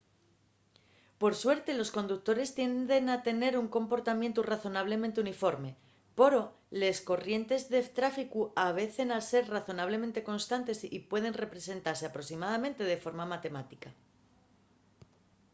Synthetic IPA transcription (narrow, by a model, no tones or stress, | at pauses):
po̞ɾswe̞ɾt̪e̞lo̞sko̞nd̪uk̚t̪o̞ɾe̞st̪je̞nd̪e̞nat̪e̞ne̞ɾuŋkõ̞mpo̞ɾt̪amje̞nt̪uraθo̞naβ̞le̞mẽnt̪̬eunifo̞ɾme̞ | po̞ɾo̞ | le̞sko̞rje̞nt̪e̞zðe̞t̪ɾafikuaβ̞e̞θe̞nase̞ɾraθo̞naβ̞le̞mẽ̞nt̪e̞ko̞nst̪ant̪e̞sipwe̞ð̞e̞nre̞pɾe̞se̞nt̪aɾse̞apɾo̞simað̞amẽ̞nt̪e̞ð̞e̞fo̞ɾmamat̪e̞mat̪ika